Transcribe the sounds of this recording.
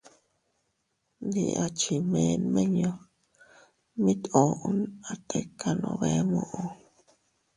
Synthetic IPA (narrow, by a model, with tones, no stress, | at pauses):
nd̪i˧ʔa˧t͡ʃi˨mẽ˨˧nmẽ˦ɲõ˧ | mĩ˦t̪o˨ʔu˦na˨t̪ʰe˧kʰa˧nõ̰˧βe˧˦mõ˧ʔo˧